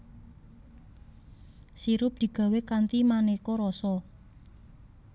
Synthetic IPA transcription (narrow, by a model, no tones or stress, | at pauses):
siɾʊp̚d̪̥i̤ɡ̥a̤wekant̪imanekɔɾɔsɔ